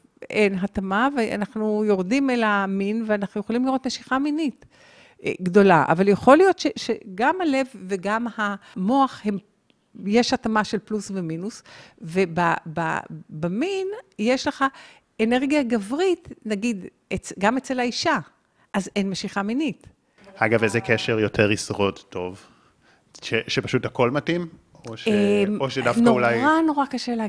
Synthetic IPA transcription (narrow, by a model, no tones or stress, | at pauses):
ʔenɦatamavea̰naχnujo̞ʁdimelaminveanaχnuje̞χolimliʁo̞t̪meʃiχaminit | ɡdo̞laa̰valjeχo̞lijo̞tʃeʃeɡamhale̞vːeɡamhamo̞aχhe̞m | je̞ʃhatamaʃelplusve̞minusve̞baba̰baminjeʃleχa | eneʁɡijaɡavʁitnaɡid̪ | et͡sɡamet͡selaiʃa | ʔazenmeʃiχaminit | haɡavezekeʃeʁjotʰeʁisʁo̞dtːo̞v | ʃeʃepaʃuthako̞lmatim | oʃeoʃedafnkoulajʁano̞ʁakaʃele